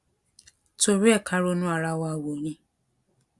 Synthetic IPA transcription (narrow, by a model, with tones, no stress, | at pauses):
to˨ɾɛ˦˨kʰa˦ɾo˦nũ˦a˨ɾa˦wa˦˨wo˨ɲĩ˦